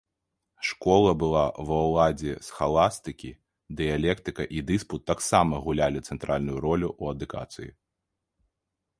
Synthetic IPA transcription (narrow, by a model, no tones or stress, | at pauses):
ʂkɔlˠɐbɨlˠavɐwlˠad͡zʲɛsxalˠast̪ɨkʲi | d̪ɨjalʲɛkt̪ɨkɐʔid̪ɨsput̪ːaksamɐɣulʲalʲit̪sɛnt̪ɾalʲnujuɾɔlʲuʔuɐd̪uka̰t̪sɨjḭ